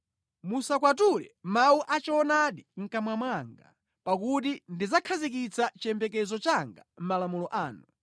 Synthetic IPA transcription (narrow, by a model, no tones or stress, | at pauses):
musakwat̬ulɛmauʔat͡ʃɔɔnaɗiŋ̩kamwamwaŋɡa̰ | pak̬ut̬indizakʰazikit͡sʰat͡ʃɛmpɛkɛzɔt͡ʃaŋɡa̰m̩malamulɔʔaːnu